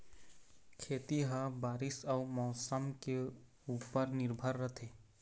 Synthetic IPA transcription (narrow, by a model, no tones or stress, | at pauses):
kʰeːt̪iɦəbaːɾɪsəʊmɔːsəmke | uːpəɾnɪɾbʱəɾːət̪ʰeː